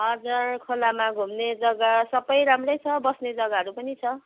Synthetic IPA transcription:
ʌd͡zʌrkʰolamaɡʱumned͡zʌɡasʌbʌjɾamrʌjt͡sʰʌbʌsned͡zʌɡaɦʌɾupʌnit͡sʰʌ

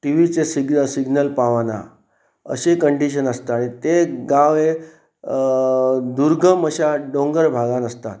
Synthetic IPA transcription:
ʈiʋit͡sesiɡəsiɡnəlpaʋana̰ | ə̰ɕekəɳɖiɕ̬ənəst̪aaɽ̃it̪eɡaʋe | d̪uɾɡʱəməɕaɖõŋɡəɾbʱaɡãnəst̪a̰t̪

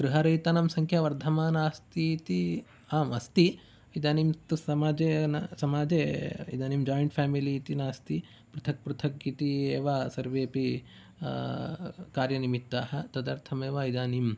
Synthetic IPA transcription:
ɡɾuɦɐɾɐjt̪anɐmsɐŋkʰjɐʋɐɾd̪ʱɐmaːnaːst̪iːt̪i | aːmɐst̪i | id̪aːnimt̪usɐmaːd͡ʒeːnɐsɐmaːd͡ʒeːḭd̪aːnimd͡ʒaːjɐɳʈpʰaːmiliːt̪inaːst̪i | pɾut̪ʰɐk̚pɾut̪ʰɐkit̪ieːʋasɐɾʋeːpi | kaːɾjɐnimit̪ːaːɦɐ̆t̪ɐd̪ɐɾt̪ʰɐmeːʋɐid̪aːnim

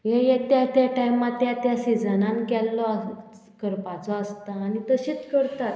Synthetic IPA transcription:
jejet̪jat̪jaʈajmat̪jat̪jasid͡zənãnkɛlːɔə | kəɾpat͡sɔəst̪aːnit̪əɕiːt͡skəɾt̪at̪

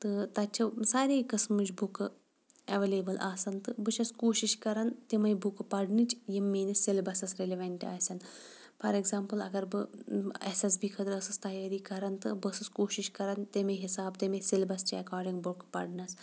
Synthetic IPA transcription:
t̪ɨt̪ɐt͡ʃʰɐsaːɾeːkɐsmɨd͡ʒʲbukɨ | ɐʋelebɨlʔaːsɐnt̪ɨbɨʃɐskoːʃiʃkɐɾɐnt̪imɐjbukɨpɐɽnɨt͡ʃjimːeːnisilbɐsɐsɾelʲiʋɐɳʈʲa̰ːsʲɐn | pʰɐɾeɡzaːmpɨlɐ̰ɡɐɾbɨesesbikʰɐd̪ɾɐsɨst̪ɐjaːɾiːkɐɾɐnt̪ɨbɐsɐskoːʃiʃkɐɾɐnt̪emeɦisaːbt̪emesilbɐst͡ʃiɐkaːɾɖiŋɡbuɾkpɐ̰ɖnɐs

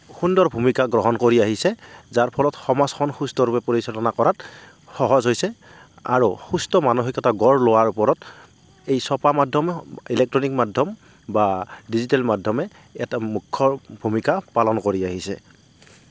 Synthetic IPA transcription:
xundɔɹbʱumikaɡɹɔɦɔnkoɹiaɦisɛzaɹpʰɔlɔtxɔmazxɔnxustɔɹupɛpoɹisɔlɔnakɔɹat | xɔɦɔzɦojsɛ | a̰ɹuxustɔmanuɦikɛtaɡɔɹlowaɹupɔɹɔt | ejsɔpamadʱɔmilɛk̚tɹɔnik̚madʱɔm | badizitɛlmadʱɔmɛ | ɛtamukʰːɔbʱumikapalɔnkoɹiaɦisɛ̰

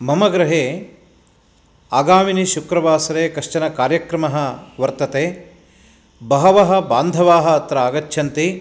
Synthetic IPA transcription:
mɐmɐɡɾɐɦeː | aːɡaːminiʃukɾɐʋaːsɐɾeːkɐʂt͡ʃɐnɐkaːɾjɐkɾɐmɐɦɐ̆ʋɐɾt̪ɐt̪eː | bɐɦɐʋɐɦɐ̆baːnd̪ʱɐʋaːɦɐ̆ːt̪ɾɐaːɡɐtːʃʰɐnt̪i

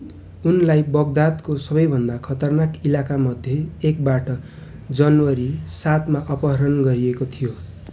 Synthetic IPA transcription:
unlajbʌɡd̪at̪kosʌbʌjbʱʌnd̪akʰʌt̪ʌrnakilakamʌd̪ʱjeːk̚baʈʌ | d͡zʌnwʌɾisat̪maʔʌpʌɦʌɾʌnɡʌɾiekot̪ʰijo

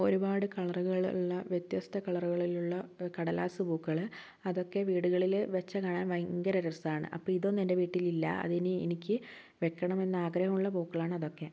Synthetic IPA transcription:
o̞ɾubaːɽɨkɐɭɐruɣɐɭuɭːɐʋjet̪jɐst̪ʰɐkɐɭɐruɣɐɭiluɭːɐkɐɽɐlaːsɨbuːkːɐɭ | ɐðo̞kːe̞ʋiːɽuɣɐɭilʋet͡ɕːɐkaːɳaːnʋɐjŋɡɐɾɐɾɐrsaːɳɨ̰ʔɐ̰pːoːɭiðo̞ːnːende̞ʋiːʈːililːɐ̰ɐ̰ðenɨḛnikʲːɨ | ʋe̞kːɐɳɐme̞nːaːɡɾɐhɐmuɭːɐbuːkːɐɭaːɳɨɐðo̞kːe̞

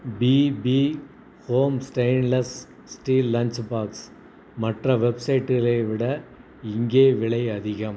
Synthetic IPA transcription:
biːbiː | hoːmsʈɐɪnlɐs | sʈiːlːɐnt͡ʃbaːks | mɐʈrɐʋɛbsɐɪʈːɪleːʋɪɽɐ | ɪŋɡeːʋɪɭɐɪɐðɪɣɐm

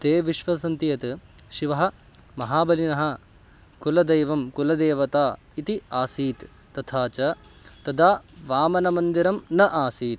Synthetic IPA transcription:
t̪eːʋiʃʋɐs̬ɐnt̪ijɐt̪ʃiʋɐɦɐ̆ | mɐɦaːbɐlinɐɦɐ̆ | kulɐd̪ɐjʋɐmkulɐd̪eːʋɐt̪aː | it̪iaːsiːt̪ː | ɐt̪ʰaːt͡ʃɐt̪ɐd̪aːʋaːmɐnɐmɐnd̪iɾɐmnɐʔaːsiːt̪

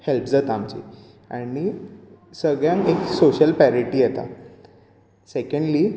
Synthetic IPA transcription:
helpd͡zat̪amt͡ɕḭ | aɽisəɡɭjãŋeksoɕəlpæɾiʈiːjet̪a̰ | sekəɳɖli

